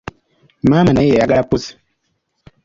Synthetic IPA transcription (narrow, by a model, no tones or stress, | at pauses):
maːmanajɛjaɡaɾapus